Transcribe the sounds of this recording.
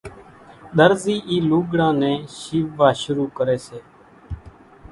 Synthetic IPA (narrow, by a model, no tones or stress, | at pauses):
ɗ̪əɾziːʔiːluːɡɽãːnɛ̃ːʃiːʋaːʃʊɾuːkəɾeːseː